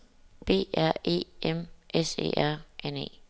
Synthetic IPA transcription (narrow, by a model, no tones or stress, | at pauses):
b̥e̝̰ːæɐ̰e̝̰ːemʔese̝̰ːæɐ̰ʔenḛː